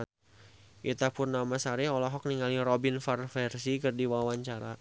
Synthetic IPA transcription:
ʔit̪apʊrnamasaɾɛɔlɔɦɔk̚niŋaliɾobinfarfɛrsikɨrdiwawaɲt͡ʃaɾa

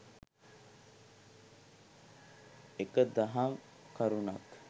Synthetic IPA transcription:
ekəd̪aɦaŋ | kaɾunak

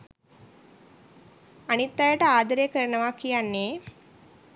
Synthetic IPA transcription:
ɐnit̪ːaːjɐʈɐaːd̪ɐɾjekɐɾɐɳɐʋaːkːijanːeː

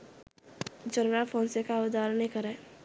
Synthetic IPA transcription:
d͡ʒənɾapʰoːnsekaʊd̪aɾənikəɾɛ̃ː

